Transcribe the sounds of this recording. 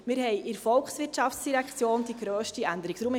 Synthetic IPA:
mɪːɾɦɛjʔɪɾfɔlksʋɪtt͡ʃɑftt͡sd̥iɾækt͡sjoːnd̥̪iɡɾøːʃtiænd̪əɾiɡt̪ɾum

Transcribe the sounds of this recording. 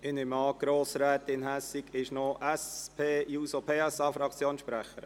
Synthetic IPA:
ɪnɪmɑːɡ̥ɾoːsɾɛːt̪ɪnɦæsiɡɪʃnoʔɛspʰeːjuːsopʰeːɛsɑːfɾɑkt͡sjoːnʃpɾæχə̰ɾ

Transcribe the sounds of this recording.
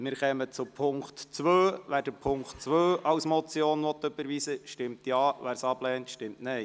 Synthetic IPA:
mɪːɾχɛmət͡supʰʊŋktt͡sʋøːʋæːɾd̥əpʰʊŋktt͡sʋøːʔɑwsmɔt͡sjoːnʋɔt̪ːøbəɾʋiːsəʃtɪmt̪jɑːʋæːɾsɑb̥lɛːntʃtɪmtnɛj

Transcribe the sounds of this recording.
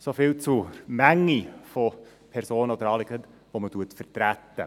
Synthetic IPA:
sofilt͡sumæŋːifo | pʰɛɾsoːnəod̪əɾɑːlɪkət | ʋoːmətuətfərt̪ɾæt̪ːə

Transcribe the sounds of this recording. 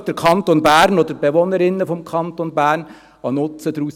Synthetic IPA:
d̥əɾkʰɑnt̪onbæːɾnod̪əɾbeʋonəɾɪnːəfɔmkʰɑnt̪onbæːɾn | ɑnʊtt͡səd̥̪ɾuːs

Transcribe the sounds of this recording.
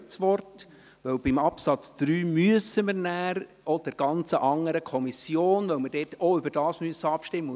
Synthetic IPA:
t͡sʋɔrt | ʋœwbɪmɑpsɑt͡sd̥ɾyːmyəsəməɾnæːɾ | ɔd̥ɛɾɡ̥ɑnt͡səʔɑŋːəɾəkʰɔmisjoːnʋœwməɾd̥ɛːtɔʏbəɾd̥ɑːsmyəsːəɑpʃtɪmː

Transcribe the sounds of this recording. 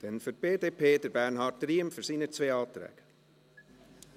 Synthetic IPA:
d̥ɛnfʏɾt̚b̥eːdeːpʰeːdəɾbæɾnɦɑːɾt̚ɾiːəmfʏɾsiːnət͡sveːɑːt̪ɾɛ̰ːɡ̥

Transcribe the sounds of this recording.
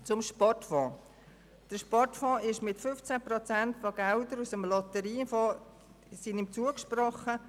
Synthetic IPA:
t͡sʊmʃpɔrtfɔ̃ː | d̥əɾʃpɔrtfɔ̃ːɪʃmɪtfʏft͡sæprɔt͡sæntfoɡ̥ɛldəɾusəmlɔt̪əɾiːfɔː | sinɪmt͡suəkʃprɔχə

